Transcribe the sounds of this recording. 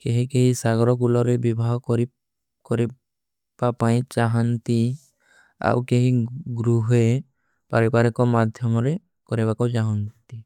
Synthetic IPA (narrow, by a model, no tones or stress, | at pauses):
keɦikeɦĩsaɡɔɾɔkulɔɾebibʱaɦɔkɔɾi | kɔɾɛ | bapaj̃t͡ʃaɦant̪i | a̰wkeɦĩɡɾuɦe | paɾɛpaɾɛkɔmad̪ʱjɔmɔɾe | kɔɾɛbakɔt͡ʃaɦɔnt̪i